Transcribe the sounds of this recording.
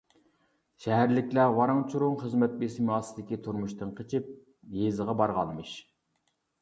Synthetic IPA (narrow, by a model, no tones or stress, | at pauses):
ʃɛɦæɾlɪkʲlæwɑɾɑŋt͡ʃʰuɾʊŋχəzmɛt̪̚besɪmɑːsɨd̪ɪkʲit̪ʰuɾmuʃt̪ɨnqʰət͡ʃʰɪp̚ | jezəʁɑbɑɾʁɑ̰nmɨʃ